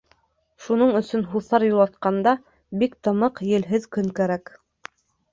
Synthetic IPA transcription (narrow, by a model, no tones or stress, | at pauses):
ʃunɤɴɵ̆sɵ̆nɦuθɑɾjulˠɑt̪̚qɑnd̪ɑ | bikt̪ɤ̆mɤqjɘ̆lɦɘðkɵŋkæɾæk